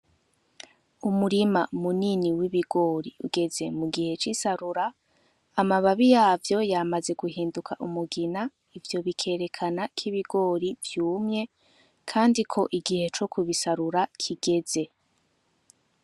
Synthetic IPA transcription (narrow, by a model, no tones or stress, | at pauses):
umuɾimamuniniwiβiɡo̞ːɾiuɡe̞ze̞muɡihe̞t͡ʃisaɾuɾaː | maβaβijaːvjo̞jamaze̞ɡuhiːndukʰaʔumuɡina | ivjo̞βikʰe̞ːɾe̞kʰanakʰiβiɡo̞ːɾivjuːmɲe̞ | kʰaːndikʰo̞ʔiɡihe̞t͡ʃo̞kʰuβisaɾuɾakʰiɡ̥e̞ze̞